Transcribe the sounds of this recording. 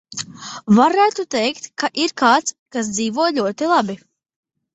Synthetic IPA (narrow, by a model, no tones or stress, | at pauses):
vaɾæːt̪ut̪ɛjkt̪kaʔiɾkaːt̪s | kas̬d̪ziːvuɔjlʲuɔt̪ilˠabi